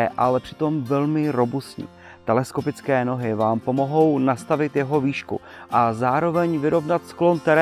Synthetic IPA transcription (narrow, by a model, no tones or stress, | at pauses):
ɛʔalɛpr̝̥ɪ̥t̪o̞mvɛlmɪɾo̞bust̪ɲḭ | t̪ɛlɛsko̞pɪt͡skɛːno̞ɦɪvaːmpo̞mo̞ɦo̞wnast̪avɪt̪jɛɦo̞viːʃkṵʔazaːɾo̞vɛɲvɪɾo̞vnat̪sklo̞nt̪ɛɾɛ